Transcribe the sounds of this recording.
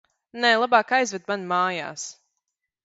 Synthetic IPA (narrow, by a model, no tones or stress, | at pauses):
nɛːlˠabaːkajzvɛd̪̚manmaːja̰ːs